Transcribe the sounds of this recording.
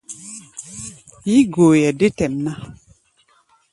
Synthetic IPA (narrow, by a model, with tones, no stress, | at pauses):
ji˦ɡo˨jɛ˨de˦tɛ˨mna˦